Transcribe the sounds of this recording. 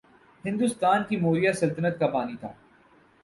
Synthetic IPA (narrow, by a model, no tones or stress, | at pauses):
hɪ̃nd̪ʊst̪aːnkimoːɾijasɐlt̪ənət̪kapaːnit̪ʰa̰ː